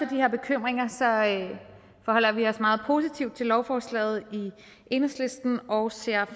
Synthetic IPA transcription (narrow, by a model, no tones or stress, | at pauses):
ɐd̥iheɐ̰b̥e̝kʰøm̰ʁeŋɐsɒ̽ | fɒhɒ̽l̰ɐʋiɒ̽smɑ̈ːð̞̩ˠpʰo̝ːsit͡sʰiʊ̰d̥̚t͡sʰe̝lɒʊfɒːslɛ̰ːð̞̩ˠi | ʔe̝nʁəsle̝sd̥n̩ɒʊse̝ɐ̰